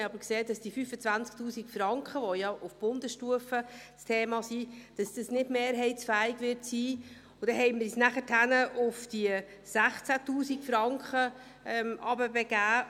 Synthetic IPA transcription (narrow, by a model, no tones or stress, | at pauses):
ɑbəɾkseːd̥ɑsd̥ifyfət͡sʋænt͡sk̚tuːsikfɾɑŋkχəʋɔjɑʔufb̥ʊndəʃtuəfəstʰeːmɑsiːd̥ɑsd̥əsnɪdmeːɾɦɛɪtsfæːɪɡʋɪɾtsiː | ʊd̥ɛɦɛɪmɪɾisnæχətʰhænəʔʊfd̥iə | sæχt͡sætuːsiɡfɾɑŋkχə | ɛmʔɑbəbɛɡæː